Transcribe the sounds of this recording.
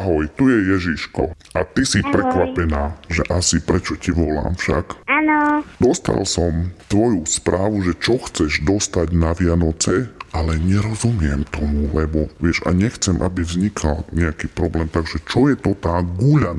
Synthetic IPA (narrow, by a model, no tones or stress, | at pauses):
aɦɔjt̪ujɛjɛʒiʃkɔ | at̪isipɾɛkʋapɛnaːʒɛʔasipɾɛt͡ʃɔciʋɔla̰ːmfʃa̰kanɔd̪ɔst̪a̰lsɔmt̪ʋɔjuspɾaːʋuʒɛt͡ʃɔxt͡sɛʒd̪ɔst̪aɟnaʋɪanɔt͡sɛalɛɲɛɾɔzumɪɛmt̪ɔmulɛbɔʋɪɛʒa̰ɲɛxt͡sɛmʔa̰bivzɲikʰalɲɛakiːpɾɔblɛːmt̪aɡʒɛt͡ʃɔjɛt̪ɔt̪aːɡuːʎa